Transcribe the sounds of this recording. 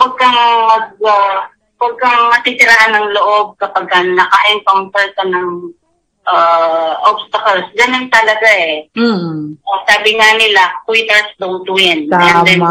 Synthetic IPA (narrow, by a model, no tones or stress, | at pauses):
wɐɡ̚kɐŋmɐɡ̚a | wɐɡ̚kɐŋmɐt̪it̪ɪɾahanːɐŋloʔob̚kɐpaɡ̚kɐnɐkaʔɛnkonpɛɾt̪ɐnɐŋ | ʔaːʔobst̪ɐkɐlsɡɐnont̪ɐlɐɡaɛ | saːbɪŋanɪlakwit̪ɛɾsd̪owt̪ujɪnad̪ɛn